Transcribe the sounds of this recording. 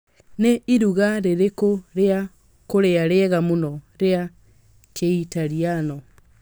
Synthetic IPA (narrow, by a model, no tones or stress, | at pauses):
neiɾuɣaɾeɾekoɾea | koɾeaɾeɛɣamonɔɾea | keitaɾianɔ